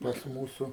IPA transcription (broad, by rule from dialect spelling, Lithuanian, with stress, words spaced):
pɐs ˈmuːsʊ